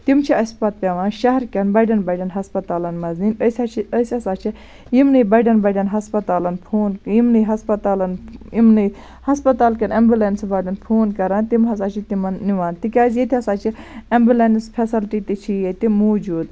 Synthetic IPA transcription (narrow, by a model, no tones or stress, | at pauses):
t̪imt͡ʃʰiɐspɐt̪̚pʲɐʋãːnʃɐɦɐɾkʲɐnbɐɖɐnbɐɖɐnɦɐspɐt̪aːlɐnmɐzninəsɐt͡ʃʰiəsʲɐsaːt͡ʃʰi | jimnɨjbɐɖɐnbɐɖɐnɦɐspɐt̪aːlɐnpʰoːnjimnɨjɦɐspɐt̪aːlɐnimnɨ | hɐspɐt̪aːlkɐnɐmbilensbɐːɖɐnpʰoːnkɐɾãnt̪imɦɐs̬aːt͡ʃʰit̪imɐnːiʋaːnt̪ikʲaːzjet̪ʰihɐsaːt͡ʃʰiɐmbilenspʰesɐlʈit̪it͡ʃʰijet̪imoːd͡ʒuːd̪